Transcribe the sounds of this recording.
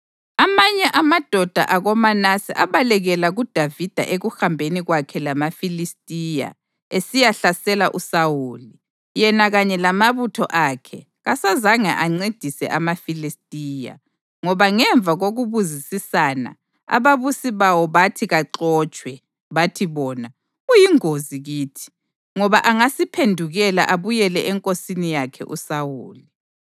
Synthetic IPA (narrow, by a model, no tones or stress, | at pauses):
amaɲɛʔamad̥ʱɔd̥ʱa̰ʔaɣɔmanasḭʔaβalɛɣɛlaɣud̥ʱavid̥ʱa̰ʔeɣuxambʱeniɣwakʰɛlamafilistʼija̰ | esijaɬasɛlaʔusawuːli | jɛnaɣaɲɛlamaβutʰɔʔakʰɛ | ɣasazaŋa̰ʔaŋ͡ǀed̥ʱisɛ̰ʔamafilistʼiːja̰ | ŋɔβaŋɛɱb̪vʱaɣoɣuβuzisisana̰ | a̰βaβusiβawɔβatʰiɣaǃɔːt͡ʃʼwɛ | βatʰiβɔːna | ɣujiŋoziɣiːtʰi̥ | ŋɔβaʔaŋasipʰendʱuɣɛla̰ʔaβujɛlɛʔɛŋkʼosinijakʰɛ̰ʔṵsawuːli